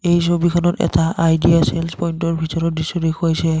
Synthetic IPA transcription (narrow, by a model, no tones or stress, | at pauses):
ejs̬obikʰɔnɔtɛ̰taʔajdiaselspɔjntɔɹbʱitɔɹɔt̚disɔdekʰuajsɛ